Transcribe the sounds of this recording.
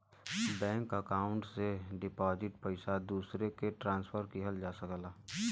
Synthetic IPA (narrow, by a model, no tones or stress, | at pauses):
bɛ̃ːŋkəkaːʊ̃ɳʈseɖɪpɔːd͡ʒɪʈpəɪsad̪uːsɾekeʈɾãːnspʰəɾkiɦəld͡ʒaːsəklaː